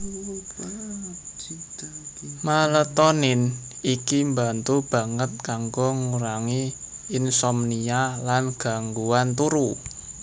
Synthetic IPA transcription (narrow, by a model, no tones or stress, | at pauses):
malət̪ɔnɪn | ikimbant̪ub̥a̤ŋət̪̚kaŋɡoŋuɾaŋiɪnsɔmnialanɡ̥a̤ŋɡuant̪uɾu